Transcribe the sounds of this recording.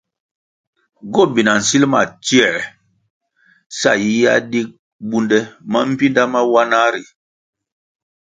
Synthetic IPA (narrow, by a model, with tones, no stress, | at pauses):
ɡɔ˦˨bi˨na˨n̩˨si˦lma˨t͡ʃi˦ɛ˨ | sa̰˦˨ji˦ja˦di˦k̚ | bu˦ndɛ˦ma˦m̩˦pi˦nda˦ma˦wa˦na˦ɾi˨